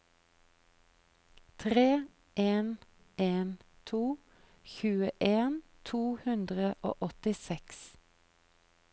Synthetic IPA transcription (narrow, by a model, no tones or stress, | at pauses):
t̪ʰʁeː | eːn | eːnt̪ʰuː | çʉːəʔeːnt̪ʰuːhʉnd̪ʁəʔo̰ːʔɔt̪ɪsɛks